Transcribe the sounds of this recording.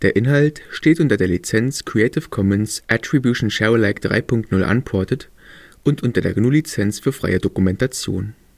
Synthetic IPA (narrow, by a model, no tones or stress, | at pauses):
d̥eːɐʔɪnɦaltʃteːtʔʊntɐdeːɐlit͡sɛnt͡skʁ̥iɛɪtʰɪfkʰɔmənsʔɛtʁ̥ibjuʃn̩ʃaʊlaɪkd̥ʁa̰ɪpʰʊŋk̚tnʊlʔa̰npʰɔɐtət | ʔʊntʔʊntɐdeːɐɡnulit͡sɛnt͡sfyːɐfʁ̥a̰ɪədokumɛntat͡sjo̰ːn